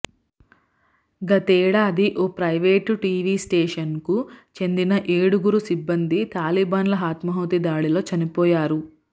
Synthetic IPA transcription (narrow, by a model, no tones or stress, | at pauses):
ɡɐt̪eːɽaːd̪iʔoːpɾɐjʋeːʈʈiːʋiːsʈeːʂɐnkut͡ʃe̞nd̪inɐʔeːɽuɡuɾusibːɐnd̪it̪aːlibaːnlɐɦaːt̪mɐɦɐʋɐt̪id̪aːɭilo̞ːt͡ʃɐnipɔːjaːɾu